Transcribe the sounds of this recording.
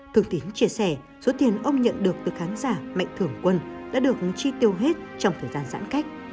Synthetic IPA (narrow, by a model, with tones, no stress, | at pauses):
t̪ʰɨ˨˧˩əŋt̪i˨˦ŋt͡ɕi˧˩əsɛ˧˩ | zo˨˦t̪i˨˩ənʔə˧wŋ͡mɲə̰˧˨nɗɨ˨˩ək̚t̪ɨ˨˩xaː˨˦nzaː˧˩ma̰˧˨jŋ̟t̪ʰɨ˧˩əŋkwə˧nɗa̰ː˧˥ɗɨ˨˩ək̚hɨ˨˩ŋt͡ɕi˧t̪i˧˩əwɦe˦˥t̚t͡ɕɔ˧wŋ͡mt̪ʰəː˨˩jzaː˧nza̰ː˧˥nka˦˥jk̟̚